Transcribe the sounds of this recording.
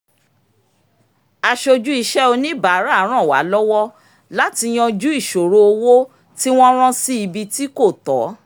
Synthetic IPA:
a˧ʃo˧d͡ʒu˦i˧ʃɛ˦o˧nĩ˦ba˨˦ɾa˦˨˦ɾ̃ã˦˨wa̰˨˦lɔ˦wɔ˦ | la˦ti˧j̃ɔ̃˧d͡ʒu˦i˦˨ʃo˨ɾo˧o˧wo˦ | ti˦w̃ɔ̃˦ɾ̃ɔ̃˦si˦i˧bi˧ti˦ko˦˨tɔ˨˦

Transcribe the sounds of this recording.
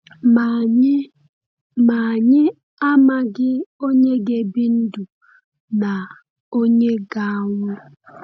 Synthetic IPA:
ma˨ɲɪ˦ | a˦ma˦˨ɡɪ˦o˦ɲe˦ɡe˨bi˦n̩˦du˨ | na˨ | o˦ɲe˦ɡa˦ŋʊ˦

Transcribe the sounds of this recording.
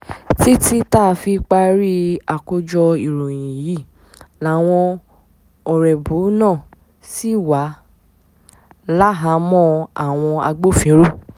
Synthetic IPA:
ti˦ti˦ta˦˨˧fi˧k͡pa˧ɾi˦a˨ko˧d͡ʒɔ˧i˨ɾõ˨j̃ĩ˨ji˦˨ | la˨˦˨w̃ɔ̃˧ | ɔ˨ɾɛ˨bu˨˦nãː˦˨ | si˦wa˨˦ | la˦ɦa˧˦mɔ̃˦a˨w̃ɔ̃˧a̰˧ɡ͡bo˦˨fĩ˨˦ɾu˦˨

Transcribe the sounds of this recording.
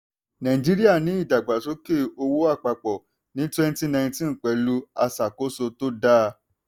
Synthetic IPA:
nã˨ĩ˨d͡ʒi˦ɾi˦a˦˨nĩ˨˦i˦˨da˨ɡ͡ba˨so˦ke˦˨o˧wo˦a˦˨k͡pa˧k͡pɔ˨ | nĩ˨˦twɛ˦n˦ti˦nã˧j̃ĩ˧˦tĩ˦n̩˨k͡pɛ˨˦lu˦a˧sa˨ko˦so˧to˦da˦

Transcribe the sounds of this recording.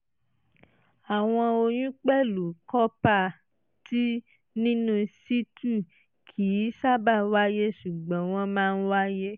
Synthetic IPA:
a˨w̃ɔ̃˧o˧j̃ũ˦k͡pɛ˦˨lu˨kɔ˦pa˦˨ | ti˦ | nĩ˦nũ˦si˦tu˦˨ | kʰi˨˦sa˦ba˦˨wa˦je˦ʃu˨ɡ͡bɔ̃˨˦w̃ɔ̃˧mãː˦˧n̩˦wa˦je˦

